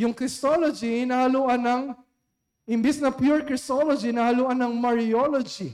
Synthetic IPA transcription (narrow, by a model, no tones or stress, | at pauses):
jʊŋkɾɪst̪olod͡ʒinahɐluʔɐnɐŋ | ʔɪmbɪsnɐpjuɹkɾɪst̪olod͡ʒinahɐluʔanɐŋmɐɹolod͡ʒi